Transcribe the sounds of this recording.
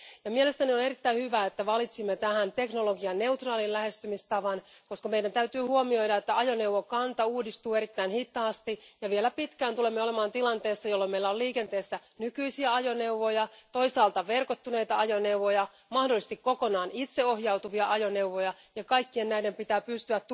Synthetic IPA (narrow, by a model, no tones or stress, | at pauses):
jɑmiele̞st̪ænione̞rit̪ːæinhyʋæːet̪ːæʋɑlit̪simːet̪æhænt̪e̞knolo̞ɡiɑnne̞uwt̪rɑːlilæhe̞st̪ymist̪ɑʋɑn | ko̞skɑmeidænt̪æyt̪yːhuomio̞jdɑet̪ːæɑjo̞neuʋokɑnt̪ɑuːdist̪uːe̞ɾit̪ːæinhit̪ːɑːst̪ijɑʋielæpit̪kæːnt̪ulemːeolemɑːnt̪ilɑnt̪eːsːɑjolːomeilːæoliːkent̪eːsːænykyisiæɑjoneuʋojɑt̪o̞isɑːlt̪ɑʋerkot̪ːuneit̪ɑɑjoneuʋojɑ | mɑhdolise̥st̪ikkokonɑːnit̪seo̞hjɑut̪uʋiɑʔɑjone̞uʋojɑ | jɑkɑikːiennæidempit̪æːpyst̪yæt̪ː